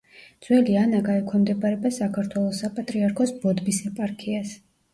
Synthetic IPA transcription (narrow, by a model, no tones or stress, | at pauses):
dd̪z̥wɛlianaɡaɛkʰwɛmd̪ɛbʼaɾɛbasakʰaɾt̪ʰwɛlˠɔsapʼat̪ʼɾiaɾkʰɔsbɔd̪bisɛpʼaɾkʰias